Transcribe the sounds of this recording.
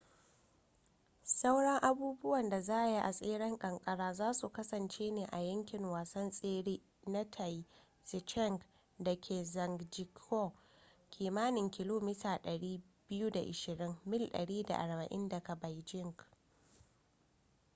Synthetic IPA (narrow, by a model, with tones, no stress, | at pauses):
sɐ˦wɽɐ˦ŋʔa˦buː˦bʊ˦wɐ˨nda˨zaː˦ʔa˨ji˦ʔa˨sʼeː˦ɽɛ˦ŋkʼɐ˨ŋkʼɐ˦ɽaː˦zaː˦su˨kɐ˦sɐ˨nt͡ʃeː˦neː˨ʔa˨jɐ˦ŋkʲɪ˨ŋwaː˨sɐ˦nsʼeː˦ɽiː˦ | nɐ˦tʰa˨j | sɪ˨t͡ʃɛ˦˨ŋɡ | dɐ˨kʲʰeː˨zɐ˨ŋɡd͡ʒɪ˨kʰɔ˦˨ | kʲʰiː˨maː˦nɪ˨ŋkʲɪ˦loː˦mɪː˦taː˨ɗɐ˨ɽiː˦ | bɪ˦juː˦da̰˨ʔɪ˨ʃɪ˨ɽɪ˦mːɪ˦lɗɐ̰˨ɽiː˦da̰˨ʔa̰˨ɽbɐ˨ʔɪ˦ndɐ˨kɐ˨ba˨jd͡ʒɪ˦˨ŋɡ